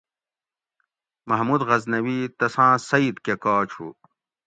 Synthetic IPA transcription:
mɐɦmud̪ʁɐznɐwiːt̪ɐsãːsɐid̪kekaːt͡ɕʰṵ

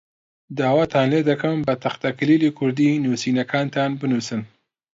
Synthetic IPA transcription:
d̪aːwaːt̪ʰaːnleːd̪ɐkɐmbɐt̪ʰɐxt̪akliːlikʰʊɾd̪iːnuːsiːnɐkʰaːnt̪ʰaːnbɨnuːsɨn

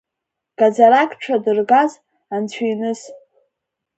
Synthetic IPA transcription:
ɡ̥ad͡zaɾakʼʈ͡ʂʷʰadɨrɡaz | ant͡ɕʷʰijnɨs

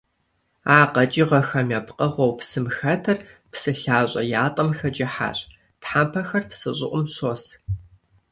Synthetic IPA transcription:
aːqɐt͡ʃʼiʁɐxɐmjɐpqʼɐʁʷɔwpsɨmxɐtʰɐrpsɨɬaːɕʷʼɐjaːtʼɐmxɐt͡ʃʼɪħa̰ːɕʼ | tħaːmpʰɐxɐrpsɨɕʼɪʔʷʼʊmɕoːs

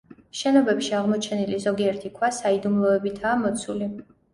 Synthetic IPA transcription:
ʃɛnɔbɛpʃiaʁmɔt͡ʃʰɛnilizɔɡiɛɾt̪ʰikʰwasaid̪umlˠɔɛbit̪ʰaːmɔt̪sʰuli

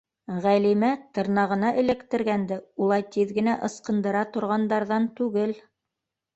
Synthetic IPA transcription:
ʁælimæt̪ɤ̆ɾnɑʁɤ̆nɑʔɘ̆lɘkt̪ɘ̆ɾɡænd̪ɘulˠɑjt̪iðɡɘ̆næʔɤ̆sqɤ̆nd̪ɤ̆ɾɑt̪ŏɾʁɑnd̪ɑɾðɑnt̪ʉɡɘl

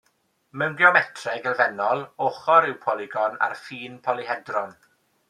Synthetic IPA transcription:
mɛwnɡjɔmɛtʰrɛɡəlvɛnɔlˠoχɔɾɪwpʰɔlˠɪɡɔna̰rfiːnpʰɔlˠiɦɛdrɔn

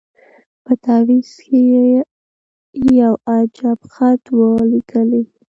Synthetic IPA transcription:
pət̪ɑwiske | jawad͡ʒabxat̪wəliɡəli

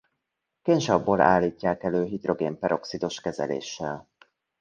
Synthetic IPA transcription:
kenʒɒbːoːla̰ːlːiːcːaːkɛløːɦid̪ro̞ɡeːmpɛɾʔo̞ksid̪o̞ʃkɛzɛ̰lḛːʃːɛl

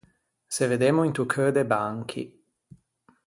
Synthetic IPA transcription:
seved̪eːmoint̪ukʰød̪ebaŋkʰḭ

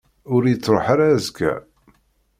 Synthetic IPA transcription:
ʊɾjət͡sːɾˤoħaɾazkʰæ̰

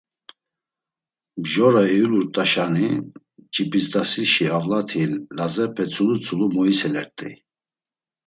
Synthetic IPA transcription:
bʒɔɾaɛuluɾt̪ʼaʃani | t͡ʃʰʼibizd̪asiʃiavlat̪ʰilːazɛpʰɛt͡sʰulut͡sʰʼulumɔisɛlɛɾt̪ʼḭ

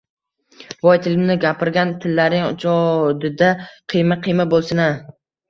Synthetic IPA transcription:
bɒjt̪ʰɪlɪmnɪɡʲapʰɪɾɡʲant̪ʰɪlːaɾnɪŋʊ̰t͡ʃʰɒd̪ɪd̪aqʰɨjmaqʰɨjmabolˠsɪna

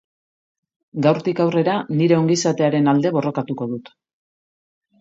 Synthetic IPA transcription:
ɡawɾt̪ikawre̞ɾaniɾe̞o̞ŋɡisat̪e̞aɾe̞nald̪e̞βo̞ro̞kat̪uko̞ð̞ut̪

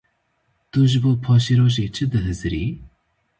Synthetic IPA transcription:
t̪uʒɨboːpʰɑːʃeɾoːʒet͡ʃʰɨd̪ɨɦɨzɾiː

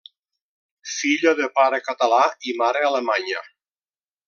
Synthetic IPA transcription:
siʎoðepaɾekat̪alaimaɾealemaɲa

